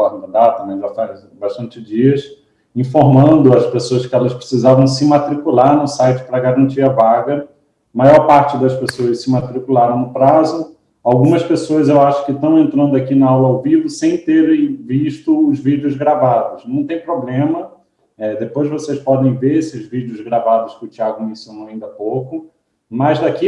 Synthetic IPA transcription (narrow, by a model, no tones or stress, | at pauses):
ɔɾ̃ɐd̪at̪ɐ̃mẽj̃ʒafaz | baʃt̪ɐ̃nt͡ʃɪd͡ʒiɐs | ĩfoɾmɐ̃nd̪ʊɐspesoɐskɪɛlɐspɾesizavɐ̃w̃s̬ɪmat̪ɾikulaɾnʊsajt͡ʃɪ̥pɾɐɡaɾɐ̃nt͡ʃiɾɐvaɡɐ | majɔɾpaɾt͡ʃɪd̪ɐspesoɐssɪmat̪ɾikulaɾɐ̃w̃nʊpɾazʊ | awɡũmɐspesoɐzewaʃʊ̥kɪt̪ɐ̃w̃ẽnt̪ɾɐ̃nd̪ʊakinɐawlɐawvivʊsẽj̃t̪eɾẽj̃viʃt̪ʊʊzvid͡ʒɪʊzɡɾavad̪ʊsnɐ̃w̃t̪ẽj̃pɾoblẽmɐ | ɛd̪epojzvosejspɔd̪ẽj̃veɾesɪɪʊzvid͡ʒɪʊzɡɾavad̪ʊskɪʊt͡ʃiaɡʊmĩsõñaĩnd̪ɐpowkʊ | mɐzd̪aki